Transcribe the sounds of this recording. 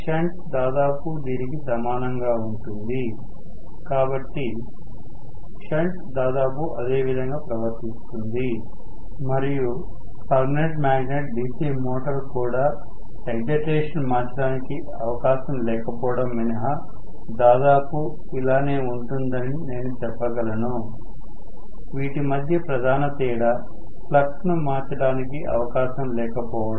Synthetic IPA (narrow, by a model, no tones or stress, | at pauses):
t͡ʃaɳʈd̪aːd̪aːpud̪iːnikisɐmaːnɐŋɡaːuɳʈund̪i | kaːbɐʈːi | ʃaɳʈd̪aːd̪aːp̬uʔɐd̪e̞ːʋid̪ʱɐŋɡaːpɾɐʋɐɾt̪ist̪und̪i | mɐɾiju | pɐɾmineʈmaːɡneʈ̚ɖiːsiːmoːʈɐɾkuːɽaː | ʈeɡd͡ʒeʈɾeːʂɐnmaːt͡ʃɐɽaːniki | ɐʋɐkaːʃɐmlɛːkɐpɔːʋɐɽɐmːinɐɦɐ | d̪aːd̪aːpu | ilaːne̞ːuɳʈund̪ɐnine̞ːnut͡ʃɛpːɐɡɐlɐnu | ʋiːʈimɐd̪ʱjɐpɾɐd̪ʱaːnɐt̪iːɽɐ | pʰlɐkʂnumaːt͡ʃɐɽaːnikiʔɐ̰ʋɐkaːʃɐmlɛːkɐpɔːʋɐɽɐ